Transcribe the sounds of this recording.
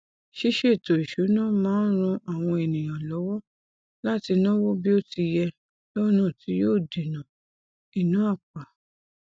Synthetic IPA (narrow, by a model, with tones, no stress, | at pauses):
ʃi˦ʃe˦˨to˨i˨ʃu˨˦nã˦˨mãː˦ɾ̃ũ˧ʔa˨w̃ɔ̃˧e˨nĩ˨j̃ã˨lɔ˨˦wɔ˦ | la˦ti˧nɔ̃˦wo˦bi˦o˦˨ti˧jɛ˧ | lo˦nũ˦˨ti˨˦joː˦˨de˨nã˨ | i˨nũ˨˦a˦˨k͡pa˨